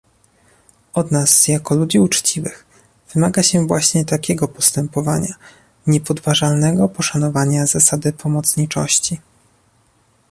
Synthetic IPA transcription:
ɔd̪nasjakɔlud͡ʑiut͡ʂt͡ɕivɘx | v̥ɘmaɡaɕɛvwaɕɲɛt̪akʲɛɡɔpɔst̪ɛmpɔvaɲa | ɲɛpɔd̪vaʐalnɛɡɔpɔʂanɔvaɲazasad̪ɘpʰɔmɔt̪sɲit͡ʂɔ̰ɕt͡ɕi

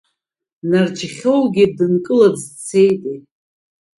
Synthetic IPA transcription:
nard͡ʒχʲowɡʲib̚dɨnkʼɨlabzt͡sʰe̞jtʼi

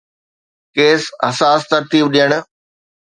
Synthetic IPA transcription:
keːsɦɐsaːst̪ɐɾt̪iːbɗiəɽ̃ʊ̆

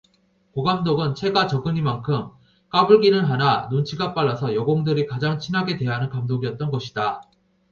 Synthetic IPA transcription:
koɡamdoɡɯnt͡ɕʰe̞ɡat͡ɕʌɡɯɲimankʰɯm | k͈abuɭɡinɯnɦananont͡ɕʰiɡap͈aɭːasʰʌjʌɡoŋdɯɾikad͡ʑaŋt͡ɕʰinɦaɡe̞dwe̞ɦanɯnkamdoɡiʌt̚t͈ʌnɡʌɕʰida

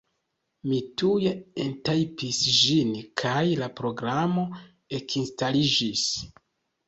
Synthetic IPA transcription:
mitujeentajpisʒinkʰajlapɾo̞ɡɾamo̞ | e̞kʰinstalid͡ʒis

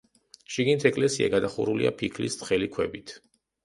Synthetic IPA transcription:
ʃiɡnit̪ʰɛkʼlɛsia̰ɡad̪aχṵɾulia̰pʰikʰlist̪χɛlikʰwɛbit̪ʰ

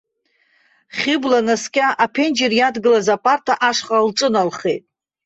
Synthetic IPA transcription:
χʲɪblanaskʲʼaʔapʰend͡ʒerjadɡɨlazapʼartʰaʔaʂχʼalʈ͡ʂʼɨnalχe̞jtʼ

